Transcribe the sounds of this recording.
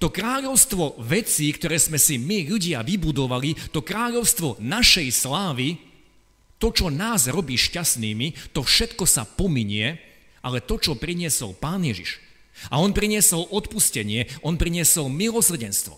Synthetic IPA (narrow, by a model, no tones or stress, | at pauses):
t̪ɔkɾaːʎɔʊst̪ʋɔʋɛt͡siːkt̪ɔɾɛːzmɛsimiʎuɟɪaʋibud̪ɔʋalit̪ɔkɾaːʎɔʊst̪ʋɔnaʃɛjslaːʋi | t̪ɔt͡ʃɔnaːzɾɔbiːʃcasniːmit̪ɔfʃɛt̪kɔsapɔmiɲɪɛ | alɛt̪ɔt͡ʃɔpɾiɲɪɛsɔ̰lpaːnjɛʒḭʃ | aɔnpɾiɲɪɛsɔlʔɔt̪puscɛɲɪɛɔnpɾiɲɪɛsɔlmilɔsr̩ɟɛnst̪ʋɔ̰